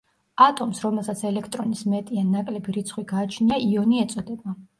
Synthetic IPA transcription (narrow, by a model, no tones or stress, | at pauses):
at̪ʼɔmsɾɔmɛlˠsat̪sʰɛlɛkʰt̪ʼɾɔnismɛt̪ʼianːakʼlɛbiɾit̪sʰχwiɡaːt͡ʃʰniaʔiɔniɛt̪sʼɔd̪ɛba